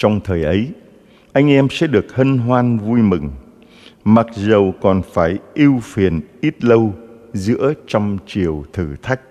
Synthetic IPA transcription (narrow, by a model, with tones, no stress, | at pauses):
t͡ɕɔ˧wŋ͡mt̪ʰəː˨˩jʔə˨˦j | ʔa˧jŋ̟ʔɛ˧msɛ̰˧˥ɗɨ˨˩ək̚hə˧nɦwaː˧nvu˧jmɨ˨˩ŋ | ma˨˩t̚zə˨˩wkɔ˨˩nfaː˧˩jʔi˧wfi˨˩ənʔi˦˥t̚lə˧wzɨ̰˧˥ət͡ɕɔ˧wŋ͡mt͡ɕi˨˩əwt̪ʰɨ˧˩t̪ʰa˦˥jk̚